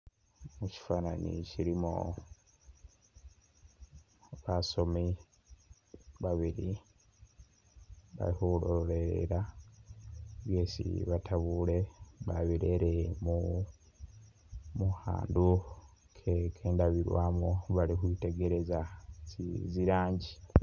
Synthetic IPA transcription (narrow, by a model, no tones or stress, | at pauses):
muci̥fananḭciɾimo̰ | βaso̞mi | βaβiɾi | βa̰lixulolḛɾa | βjeːsḭβatʰaβule̞βaβiɾeɾemu | muha̰ːndu | kʰekʰeːndaβiɾwaːmoβalixuite̞ɡe̞ɾe̞zasiziɾaːɲɟi